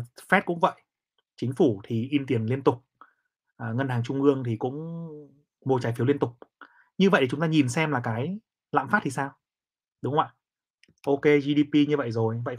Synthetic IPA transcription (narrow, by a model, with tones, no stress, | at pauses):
fɛ˦˥t̚kʊ̰˧˥ŋ͡mvə̰˧˨j | t͡ɕï˨˦ŋ̟fu˧˩t̪ʰi˨˩ʔi˧nt̪i˨˩ənli˧ənt̪ʊ˨˩k͡p̚ | ʔːŋə˧nhaː˨˩ŋt͡ɕʊ˧ŋ͡mʔɨ˧əŋt̪ʰi˨˩kʊ̰˧˥ŋ͡m | mo˨˩t͡ɕaː˨˦jfi˨˦lənt̪ʊ˨˩k͡p̚ | ɲɨ˧və̰˧˨ʔ̪i˨˩ʊ˨˦ŋ͡mt̪aː˧ɲi˨˩nsɛ˧mlaː˨˩kaː˨˦j | la̰ː˧˨mfaː˦˥t̚t̪i˨˩saː˧w | ɗʊ˨˦ŋ͡mŋ˦wa̰˧˨ | ʔo˧ke˧zi˧ɗi˧pi˧ɲɨ˧və̰˧˨jzo˨˩jvə̰˧˨j